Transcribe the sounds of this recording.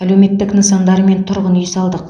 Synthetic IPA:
æle̞wme̞t̪ːɪknəsɑnd̪ɑɾme̞nt̪ʰʊɾʁənʏjsɑlˠd̪əq

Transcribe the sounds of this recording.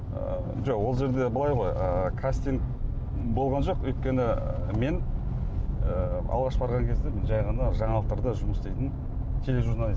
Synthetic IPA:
ə | ʒoqwo̞lˠʒe̞ɾd̪e̞bəlˠɑjʁo̞jəkʰast̪iŋɡ | bo̞lˠʁɑnʒo̞qwɵjt̪̚kʲe̞nɪme̞n | əɑ̰lˠʁɑʃbɑɾʁɑŋkʲʰe̞zd̪emɪnʒɑjʁɑnəʒɑɴɑlˠt̪əɾd̪əʒʊməsd̪ejt̪ɪn | t̪ʲʰe̞le̞ʒuɾnalʲi

